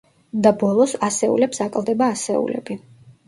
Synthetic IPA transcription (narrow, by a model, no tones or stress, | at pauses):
d̪abɔlˠɔsasɛṵlɛpsakʼlˠd̪ɛbaːsɛ̰ṵlɛ̰bi